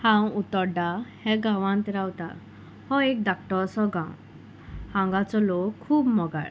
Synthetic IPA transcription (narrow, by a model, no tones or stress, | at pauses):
hãw̃ut̪ɔɾɖahɛɡawãnt̪ɾawt̪a̰ | hɔek̚d̪ak̚ʈɔɾsɔɡãw̃ | hãŋɡat͡sɔlokʰːuːbmɔɡa̰ɽ